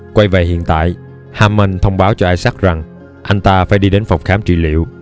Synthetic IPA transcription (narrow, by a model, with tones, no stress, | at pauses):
kwa˧jve˨˩hḭ˧˨ənt̪a̰ː˧˨j | haː˧mə˧nt̪ʰə˧wŋ͡mɓaː˨˦wt͡ɕɔ˧ʔaː˧jsa˦˥k̚za˨˩ŋ | ʔa˧jŋ̟t̪aː˧fa̰ː˧˩jɗi˧ɗe˨˦nfə˨˩wk͡p̚xaː˨˦mt͡ɕḭ˧˩lḭ˧˨əw